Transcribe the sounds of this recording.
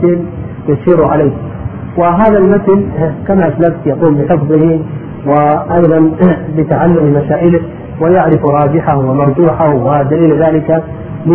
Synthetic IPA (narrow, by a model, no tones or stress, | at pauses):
ɪl | jaʃiːɾʕalaːk | wɪɦaːðalmat̪lkamaʔaslabt̪jaquːmbɪħʊfbɪh | wɪʔɑjðˤɑnbɪt̪aʕalːʊmɪmasaːʔɪlɪ | wɪjaʕɾɪfɾˤɑːd͡ʒɪħahwɪmɑɾˤd͡ʒuːħawɪd̪aliːlðaːlɪka | m